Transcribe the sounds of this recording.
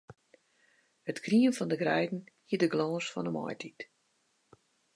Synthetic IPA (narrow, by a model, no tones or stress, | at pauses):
hətkʰriənfɔndəɡrɛjdn̩hiədəɡlɔːsfɔ̰nəmɔ̰jtʰit